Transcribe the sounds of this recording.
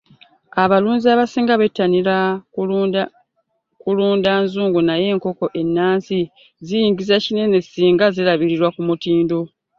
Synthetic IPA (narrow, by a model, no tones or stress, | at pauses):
aβaluːɲziaβasiːŋɡaβetːanila | kuluːndaːnzuːŋɡunaje̞ːŋko̞ko̞ʔe̞nːaːnsi | zijiːŋɡizecine̞nesiːŋɡazilaβiɾiɾwakumutiːndo̞